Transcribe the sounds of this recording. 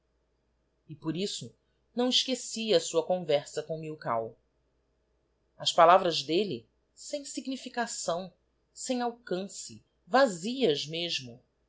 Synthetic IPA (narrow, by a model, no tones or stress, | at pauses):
ɪpoɾisʊ | nɐ̃w̃iʃkesiɐːsuɐkõvɛɾsɐkõw̃miwka̰w | ɐʃpalavɾɐzd̪eli | sẽj̃siɡnifikasɐ̃w̃ | sẽj̃awkɐ̃sɪ | vaziɐzmeʒmʊ